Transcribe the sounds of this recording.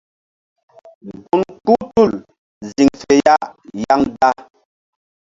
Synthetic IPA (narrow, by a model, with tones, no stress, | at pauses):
ɡu˨nku˦tu˦˨l | zi˨ŋfe˨ja˦ʔja˦ŋda˦